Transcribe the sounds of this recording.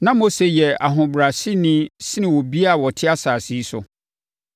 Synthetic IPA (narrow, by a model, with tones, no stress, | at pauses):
nã˦mo˦se˨jɛ˨a̰˨ɦʊ̃˨bɾa˨si˦nɪ̃˦sɪ˦nɪ̃˨wɔ˨bi˦a˦˨wɔ˨tʰɪ˦a˦saː˨si˨˦sʊ˨